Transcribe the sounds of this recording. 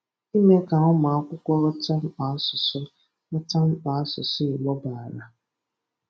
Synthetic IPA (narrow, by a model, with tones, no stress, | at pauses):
i˦me˦ka˨ʊ˦ma˨a˦kʷʊ˦kʷɔ˦ɾɔ˦ta˦m̩˦k͡pa˨˦a˦sʊ˨sʊ˦ | nɔ˦ta˦m̩˦k͡pa˨a˦sʊ̰˨sʊ˦ɪ˨ɡ͡bɔ˦ba˨a˨ɾa˨